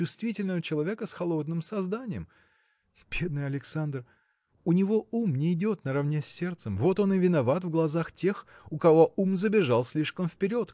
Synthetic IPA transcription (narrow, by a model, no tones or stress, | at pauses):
ʊst̪vʲitʲɪlʲnəvət͡ɕɪlˠɐvʲe̞kəsxɐlˠo̞d̪̚nɨmsɐzd̪anʲɪjəm | b̥ʲe̞d̪nɨjɐlʲɪksand̪r | ʊnʲɪvo̞umnʲɪɪdʲo̞t̪nəɾɐvnʲesʲːe̞rt̪səmvo̞t̪o̞nɨvʲɪnɐvat̪vɡlˠɐzaxtʲe̞xʊkɐvo̞ʔumzəbʲɪʐalˠsʲlʲiʂkəmfpʲɪɾʲo̞t̪